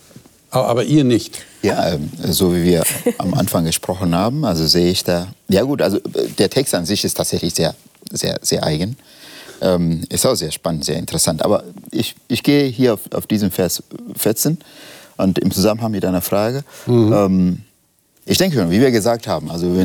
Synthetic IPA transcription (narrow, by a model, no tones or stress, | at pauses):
ʔaʔa̰ːbɐʔiːɐnɪçtjaːʔɛːmzoːviːviːɐʔa̰mʔa̰nfaŋɡəʃpʁ̥ɔxn̩haːbm̩ʔalzozeːəɪçd̥aːjaːɡuːtʔalzod̥eːɐtʰɛkstanzɪçɪstʰaːtz̥ɛçlɪçz̥eːɐzḛːɐz̥eːɐʔa̰ɪɡən | ʔɛːmʔɪstaʊxz̥eːɐʃpanəntz̥eːɐɪntəʁɛsantʔa̰ːbɐʔɪçɪçɡ̥eːəɦiːɐaʊfa̰ʊfd̥iːzəmfɛɐsfɪɐt͡seːnʔʊntɪ̰mt͡suzamənhaŋmɪtʔaɪnɐfʁ̥aːɡəɛːm | ʔɪçd̥ɛŋkəʃoːnviːviːɐɡəzaːk̚thaːbm̩ʔalzovɛ